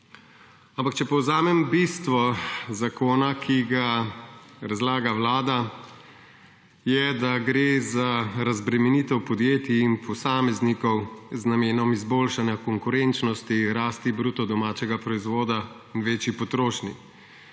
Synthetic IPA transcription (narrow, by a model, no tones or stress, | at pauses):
ampakt͡ʃɛpɔwzaːmɛmbist̪ʋɔzakoːnakʰiɡa | ɾazlaːɡawlaːd̪a | jɛd̪aɡɾeːzaɾazbɾɛmɛnit̪ɛwpɔd̪jeːt̪iːnpʰɔsaːmɛznikɔwznameːnɔmizboːlʃanjakɔŋkʊɾent͡ʃnɔst̪iɾaːst̪ibɾuːt̪ɔd̪ɔmaːt͡ʃɛɡapɾɔizʋoːd̪a | inʋeːt͡ʃipɔt̪ɾoːʃni